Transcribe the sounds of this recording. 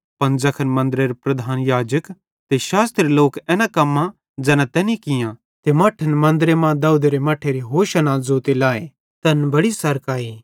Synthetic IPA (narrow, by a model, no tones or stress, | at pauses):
pɐnd͡zɐkʰənmɐ̃nd̪ɾeɾepɾɐd̪ʱaːnjaːd͡ʒək | t̪eʃaːst̪ɾeloːkɛːnakɐmːa | d͡zɛːnãt̪ɛːnikɪjã | t̪emaːʈʰənmɐ̃nd̪ɾemãd̪ɐud̪eɾemaːʈʰeɾiɦoːʃɐnazoːt̪elaːe | t̪ɐnbɐɽisɐɾkaːi